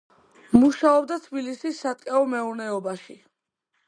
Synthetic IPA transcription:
muʃaɔb̚d̪at̪ʰbilisisːat̪ʼkʼɛɔmɛuɾnɛɔbaʃi

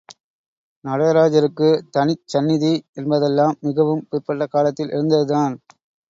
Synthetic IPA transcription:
nɐɽɐjɾaːd͡ʒɐɾɯkːɯt̪ɐnɪt͡ʃːɐnːɪðiɛnbɐðɛlːaːmːɪɣɐʋɯmpɪɾpɐʈːɐkaːlɐt̪ːɪlʔɪ̰ɾɯnd̪ɐðɯtaːn

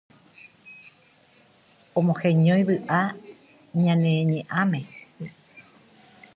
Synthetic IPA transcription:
õmõxẽɲõj̃βɨʔa | ɲãnẽɲẽʔãmẽ

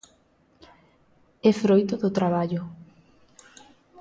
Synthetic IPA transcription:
efɾojt̪oðʊt̪ɾaβ̞aʎo

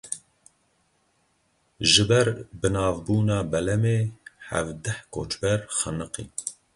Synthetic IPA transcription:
ʒɨbɛɾbɨnɑːvbuːnɑːbɛlɛmeːhæ̰vd̪ɛhkʰo̰ːt͡ʃbɛɾxənɨqḭː

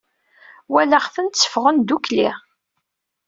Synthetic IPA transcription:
wæləχfənt̪t͡sːə̥fʁənd̪ukli

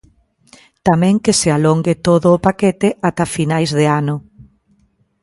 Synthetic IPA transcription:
t̪amɛ̃ŋkesealoŋɡet̪oðʊːpaket̪ɪʔat̪afinajzðeanʊ

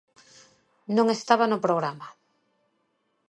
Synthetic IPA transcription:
nõŋest̪aβanʊpɾoɣɾama

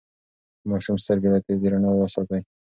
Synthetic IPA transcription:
mɑʃumst̪əɾɡed̪at̪eziɾanawəsɑt̪aj

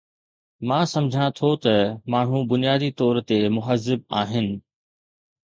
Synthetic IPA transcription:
mãːsɐ̃md͡ʑʱãt̪ʰot̪ɐmaːɳ̤ũbʊnijaːd̪it̪ɔːɾt̪emʊɦəzːɪb̚aːɦɪnɪ̆

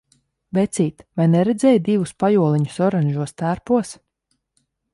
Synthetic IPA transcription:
vɛt̪siːt̪vajnɛɾɛd̪zʲɛːjd̪ivuspajuɔlˠiɲu̥sɔɾanʲʒuɔst̪æɾpuɔs

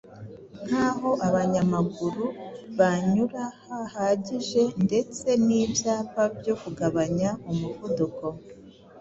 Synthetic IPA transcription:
n̥haːɦo̞ʔaβaɲamaɡuɾuβaɲuɾahahaːɟiʒe̞nde̞t͡se̞niːbjaːpabjo̞kuɡaβaɲaumuvuduko̞

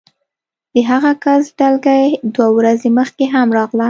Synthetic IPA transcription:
d̪̥əɦaɣakasɖalɡajed̪wawɾazeməxkeɦamɾɑɣla

